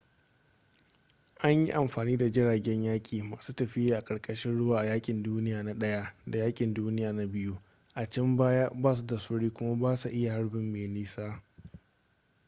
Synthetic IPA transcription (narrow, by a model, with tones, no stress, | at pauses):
ʔa˦ɲjḭ˦ʔa˨mɸaː˨niː˦da˨d͡ʒɪ˦ɽaː˨ɡʲɛ˦ɲjaː˦kʲʼiː˨maː˨suː˦tɐ˨ɸɪ˦jaː˦ʔa˨kʼɐ˨ɾkʼɐ˦ʃɪ˦nɽʊ˦waː˨ʔa˨jaː˦kʲʼɪ˨nduː˦nɪ˦jaː˨na˦ɗɐ˦ja˦da˨jaː˦kʲʼɪ˨nduː˦nɪ˦jaː˨na˦bɪ˦ju˦ | ʔa˨t͡ʃɐ˦mbaː˦ja˦baː˦s̬u˦da˨sʊ˦ɽiː˦kʷʊ˦ma˦baː˦su˨ʔɪ˦ja˨ha˦ɽbɪ˦mːeː˨niː˦saː˦